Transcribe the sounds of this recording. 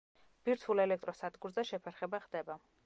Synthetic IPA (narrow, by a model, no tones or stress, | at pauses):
b̥iɾt̪ʰulɛlɛk̚ʰt̪ʼɾɔsad̪ɡuɾzaʃɛpʰɛɾχɛbaχd̪ɛba